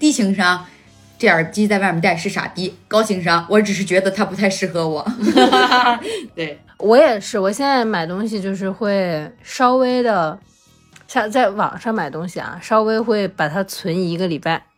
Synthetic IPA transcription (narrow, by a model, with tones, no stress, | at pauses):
t̪i˥˩ɕʰi˧˥ŋʂɑ˥ŋ | ʈ͡ʂe˥˩ə˞˨˩t͡ɕi˥t͡sa˥˧ɪma˥˩mə˧˥nt̪a˥˧ɪʂɻ̩˥˩ʂa̰˨˩p̪i˥kɑ˥ʊt͡ɕʰi˧˥ŋʂɑ˥ŋwɔ˧˥ʈ͡ʂɻ̩˨˩ʂɻ̩˥˩t͡ɕɥɛ˧˥d̪ə˧t̪ʰa˥pu˧˥t̪ʰa˥˧ɪʂɻ̩˥˩xɤ˧˥wɔ˨˩˦ | t̪we˥˩ɪ | wɔ˧˥jɛ˨˩ʂɻ̩˥˩wɔ˨˩ɕjɛ˥˧nt͡sa˥˩ɪma˨˩ɪt̪ʊ˥ŋɕi˨˧t͡ɕjo˥˧ʊʂ̬ɻ̩˥˧xwe˥˩ɪʂɑ˥ʊwe˥ɪd̪ə˨ | ɕɑ˥˧t͡sa˥˩ɪwɑ̰˨˩ŋʂɑ˥˩ŋma˨˩ɪt̪ʊ˥ŋɕi˨˩ɐ̰˩ʂɑ˥ʊwe˥ɪxwe˥˩ɪpa˨˩t̪ʰa˥t͡sʰwə˧˥ni˧˩i˧˥ɡə˧li˨˩pa˥˩ɪ